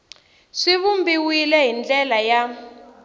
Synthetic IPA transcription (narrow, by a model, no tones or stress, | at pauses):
ʂiβumbiwilɛɦind͡ɮɛlaja